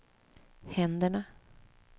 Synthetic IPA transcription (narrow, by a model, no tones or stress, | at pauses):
hɛnd̪əɳa